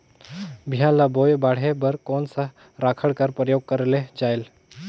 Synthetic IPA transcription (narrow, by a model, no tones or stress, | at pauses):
bʱijãlabojbaɽ̤ebəɾkonsa | ɾakʰəɽkaɾpɾəjoɡ̚kəɾled͡ʒael